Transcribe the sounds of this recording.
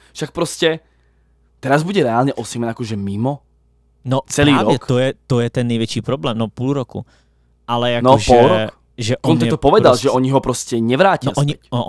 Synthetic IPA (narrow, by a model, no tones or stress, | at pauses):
fʃak̚pɾɔscɛ | t̪ɛɾazbuɟɛɾɛaːlɲɛʔɔsɪɛmɛnakɔʒɛmimɔ | nɔt͡sɛɾliːɾaɔɲɛk̪ɔjɛt̪ɔjɛt̪ɛnːɛjʋjɛt͡ʃiːpɾɔblɛːmnɔpuːluɾɔkṵ | ʔalɛjanɔʒpɔɛlɾɔk | ʒɛʔɔnt̪ɛt̪ɔpɔʋɛd̪alˠʒɛɔɲiɦɔpɾɔscɛɲɛʋɾaːcɪaɔɲi